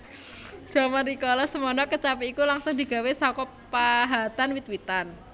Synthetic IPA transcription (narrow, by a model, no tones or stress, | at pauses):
d̥amaɾikɔlɔsəmɔnɔkət͡ʃapiikulaŋsʊŋd̪i̤ɡ̥a̤wesɔkɔ | paɦat̪anwit̪wit̪an